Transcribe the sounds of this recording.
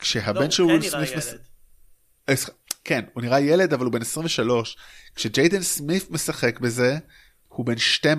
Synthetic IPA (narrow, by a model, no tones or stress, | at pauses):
kʃeɦabe̞nʃelʁulsmifmes | eskenhuniʁaje̞le̞d̪avalube̞nesʁĩmveʃalo̞ʃkʃed͡ʒejd̪ensmifme̞saχe̞kbe̞ze̞ | hube̞nʃtem